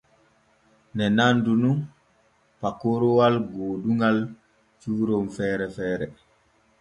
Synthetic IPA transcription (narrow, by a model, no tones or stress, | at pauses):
nɛnandunun | pakːoɾɔwalɡoːduŋɡal | t͡ʃuːɾomfɛːɾɛfɛːɾɛ